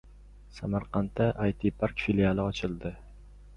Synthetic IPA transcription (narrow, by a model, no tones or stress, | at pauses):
samaɾqʰɑnt̪ːaʔajt̪ʰipʰaɾkfilʲijalˠɪɒt͡ʃʰɪlˠd̪ɪ